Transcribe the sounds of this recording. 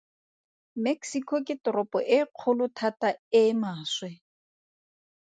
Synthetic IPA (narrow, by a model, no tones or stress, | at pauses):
meksikʰɔkʼɪtɔɾɔpʼɔʔɪq͡χʰʊlʊtʰatʼaɪmaːswɛ